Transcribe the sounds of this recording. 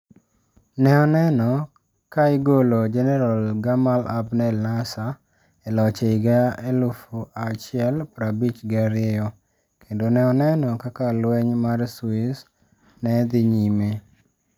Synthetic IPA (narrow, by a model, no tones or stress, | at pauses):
nɛɔnɛnɔ | kaɪɡolod͡ʒɛnɛɾalɡamala̰bnɛlnasa | ɛlɔt͡ʃeɪɡaelufuʔat͡ʃɪɛlpɾabit͡ʃɡaɾɪɛjɔ | kʰendonɛɔnɛnɔkakalwɛɲmarswis | nɛd̪ɪɲime